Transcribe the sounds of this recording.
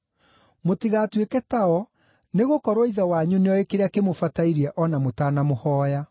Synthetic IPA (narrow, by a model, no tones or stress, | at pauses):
motiɣatwekɛtaɔ | neɣokɔɾoiðawaɲuneɔekeɾeakemofataiɾiɛʔɔnamotaːnamohɔːja